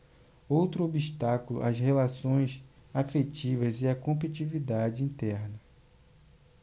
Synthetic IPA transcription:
owt̪ɾʊobiʃt̪akulʊ̰ʔashelasõj̃safet͡ʃivɐzɪɐkõmp̬it͡ʃivid̪ad͡ʒɪĩnt̪ɛɾnɐ

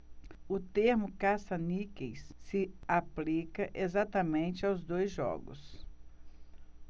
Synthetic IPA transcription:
ʊt̪eɾmʊkasɐnikejsːɪaplikɐʔezat̪ɐmẽnt͡ʃɪawzd̪ojzʒɔ̰ɡʊ̰s

